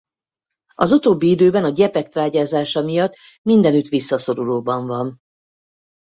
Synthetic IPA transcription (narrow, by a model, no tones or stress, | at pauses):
ɒzut̪oːbːiid̪øːbɛnɒɟɛpɛk̚t̪raːɟaːzaːʃɒmijɒt̪ː | mind̪ɛnyt̪ʋisːɒso̞ɾuloːbɒɱvɒn